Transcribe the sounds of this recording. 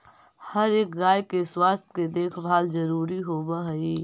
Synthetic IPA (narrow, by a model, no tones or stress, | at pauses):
həɾeːk̚ɡaːjkeswaːst̪ʰked̪eːkʰbʱaːld͡ʒəɾuːɾiɦoːbəɦəiː